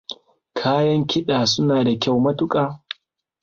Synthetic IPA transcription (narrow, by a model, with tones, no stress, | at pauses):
kʰaː˦jɐ˦ŋkʲɪ˦ɗaː˨sʊ˦naː˨da˨kʲa˦˨wmɐ˦tʊ˦kʼaː˨